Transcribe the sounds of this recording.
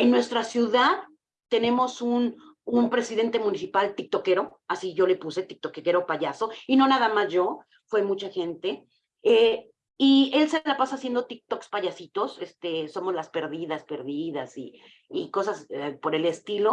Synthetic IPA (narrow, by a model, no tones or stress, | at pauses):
e̞nːwe̞st̪ɾasjuðað | t̪e̞nẽ̞mo̞sun | umpɾe̞siðe̞nt̪e̞mũnisipalt̪ik̚t̪o̞ke̞ɾo̞ | asiʝo̞le̞puse̞t̪ik̚t̪okeke̞ɾo̞paʝaso̞ino̞naðamazʝo̞ | fwemut͡ʃaxe̞nt̪e̞ | e | ie̞lselapasasje̞nd̪o̞t̪ik̚t̪okspaʝasit̪o̞sest̪e̞so̞mo̞zlaspe̞ɾðiðaspe̞ɾðiðasiː | ko̞sasepo̞ɾe̞le̞st̪ilo̞